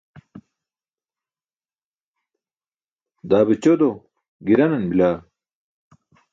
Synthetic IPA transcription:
d̪aːbit͡ɕod̪o | ɡiɾɐnɐnbilaː

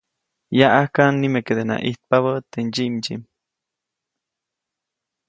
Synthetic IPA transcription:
jaʔahkanːimeked̪enã̰ʔiht̪̚paβət̪eɲd͡ʒiʔmd͡ʒḭm

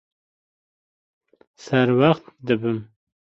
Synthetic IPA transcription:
saɾwaχt̪̚d̪əbəm

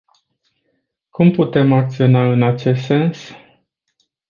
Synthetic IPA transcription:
kumput̪e̞mak̚t̪sio̞naɨnat͡ʃe̞st̪se̞ns

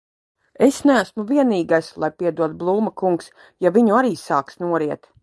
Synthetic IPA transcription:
esnææsmuviɛniːɡajslˠajpiɛd̪uɔt̪̚blˠuːmakuŋks | javʲiɲuaɾiːsaːksnuɔɾiɛt̪

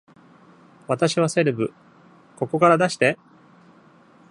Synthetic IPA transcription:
βat̪aɕiβ̞ase̞ɾɯ̟bɯ̟ | ko̞ko̞kaɾad̪aɕi̥t̪e̞

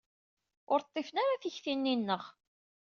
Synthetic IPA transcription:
ʊɾt̪ˤːefənaɾaθiçθinːinːəʁ

